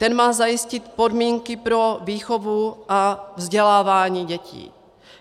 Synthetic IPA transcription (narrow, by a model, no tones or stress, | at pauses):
t̪ɛnmaːzajɪscɪt̪po̞dmiːŋkɪpɾo̞viːxovuʔavzɟɛlaːvaːɲiːɟɛcḭː